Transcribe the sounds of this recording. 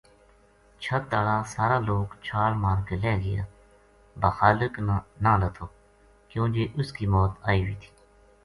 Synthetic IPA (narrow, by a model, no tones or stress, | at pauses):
t͡ʃʰət̪̚ːaːɽaːsaːɾaːloːkt͡ʃʰaːɾmaːɾkelɛːɡɪ̰ja̰ː | baːxaːlɪknãːlət̪ʰoː | kjõːd͡ʒeːʔʊskiːmɔːt̪aːiːʋiːt̪ʰi̥ː